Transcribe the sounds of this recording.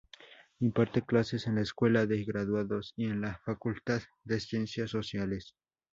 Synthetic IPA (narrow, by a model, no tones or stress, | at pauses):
impaɾt̪eklasesenlaeskwe̞laðeɣɾaðwaðosienlafakult̪að | ðesjensjasːosjales